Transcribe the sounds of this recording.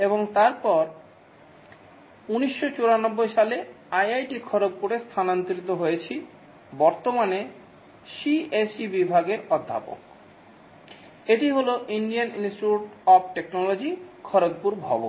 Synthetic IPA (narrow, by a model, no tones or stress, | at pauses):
eboŋt̪aɾpɔɾ | uniʃːot͡ɕoɾanɔbːojʃale | ajajʈikʰɔɾok̚puɾest̪ʰanant̪ɾit̪oɦojet͡ɕʰi | bɔɾt̪omane | ʃiesibibʱaɡeɾɔd̪ʱːa̰po̰k̚ | eʈiɦoloʔinɖijaninsʈiuʈɔb̚ʈeknɔlod͡ʑikʰɔɾok̚puɾbʱɔ̰bo̰n